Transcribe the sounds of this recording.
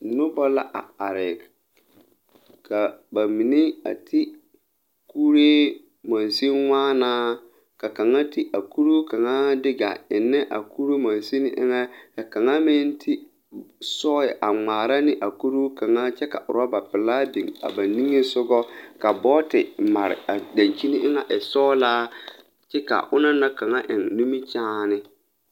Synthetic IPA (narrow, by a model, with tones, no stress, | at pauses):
nʊ˦ba˦la˦ʔa̰˨a˨ɾɪ˨ | kʰa˨ba˨mi˨ne˦a̰˨tʰɪ˦ | kuː˦ɾe˦ | ma˨nsi˦ŋʷaː˦naː˦ | ka˨ka˨ŋa˦ti˦ʔa˨ku˦ɾu˦ka˨ŋa˦dɪ˦ɡa̰˨ɪ˨nːɪ˦ʔa̰˨ku˦ɾe˦ma˨n˨si˦nɪ˦ʔɪ̰˦ŋɛ˦ka˨ka˨ŋa˦mɪ˦n˦tʰi˦ | sɔː˦ɛ˨ʔa˨ŋ͡maː˨ɾa˦nɪ˦ʔa˨ku˦ɾuː˦ka˨ŋa˦t͡ʃɛ˦ka̰˨ʔʊ̰˨ɾa˦ba˨pɪ˨laː˦di˨ŋa̰˨ba˨nĩ˦ŋe˦sʊ˦ɡɔ˦ka˨bɔː˦tɪ˨ma˨ɾɪ̰˨a˨da˨ɲt͡ʃi˦nɪ˦ʔɪ˦ŋa˨ʔɪ˨sɔː˦laː˦ | t͡ʃɛ˦ka̰˨ʔʊ˦na˦na˦ka˨ŋa˦ʔɪ˨ŋnu˦mi˦t͡ʃaː˦nɪ˦